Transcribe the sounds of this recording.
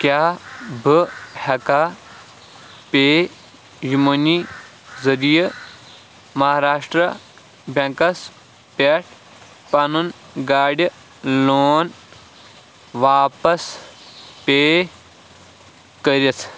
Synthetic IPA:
kjaːbʱɨhɐka | peː | jumɐni | zɐɾijɐ | mɐɦaːɾaːʂʈɾɐ | bʱʲɐ̃ŋkɐs | pʲeʈʰ | pɐnun | ɡaːɽʲɐ | loːn | ʋaːpɐs | peː | kəɾit͡sʰ

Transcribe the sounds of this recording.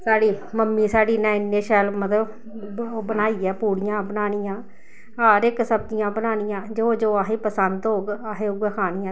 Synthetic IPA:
saːɽiːməmːiːsaːɽiːnɛ̃ːɪnːeːʃɛːlmət̪ləb | bənaːiːɛːpuːɽɪjãːbənaːnɪjãː | aːɾɪksəbd͡ʒɪjãːbənaːnɪjãːd͡ʒoːd͡ʒoːaːɦeːpəsənd̪ɦoːɡaːɦeːʊɡɛːkʰaːniːãː

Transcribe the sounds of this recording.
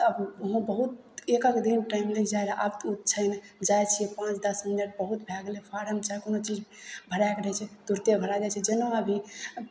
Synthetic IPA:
əbɦõbəɦut̪ | ekakd̪inʈaimləid͡ʒajɾaʔabt̪ut̪̚t͡ʃʰəɪnd͡ʒajt͡ʃʰijɛpãt͡ʃd̪əsminəʈ̚bəɦut̪bʱɛɡlepʰaɾɦəmt͡ʃaɦɛkonot͡ʃid͡ʒbʱəɾajkɾət͡ʃʰɛt̪uɾt̪ebʱəɾad͡ʒat͡ʃʰɛd͡ʒenoəbʱi

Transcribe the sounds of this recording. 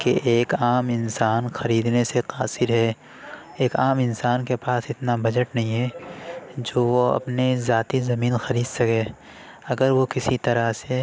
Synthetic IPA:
kḛʔeːkaːmɪnsaːnxɐɾiːd̪neseqaːsɪɾɦɛː | eːkaːmɪnsaːnkepaːsɪt̪nabɐd͡ʒəʈnɐɦĩɦɛː | d͡ʒoːʋoɐ̰pnezaːt̪izɐmiːnxɐɾiːd̪sɐkɛː | ɐɡəɾʋokɪsit̪ɐɾase

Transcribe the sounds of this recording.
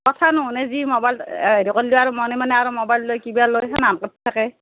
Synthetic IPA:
kɔtʰanʊɦʊ̃nɛzimɔbajleɹikolːiʊaɹumɔnimanɛaɹumɔbajlːojkibalojsʰɛnamkɔt̚ʰtʰːakɛ

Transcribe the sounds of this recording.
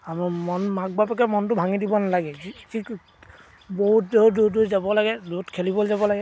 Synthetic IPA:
amɔmɔnmak̚bapakɛmɔntʊbʱaŋidibɔnalaɡɛkʰik | boɦut̚dɔdutduzabɔlaɡɛdutkʰelibɔlzabɔlaɡɛ

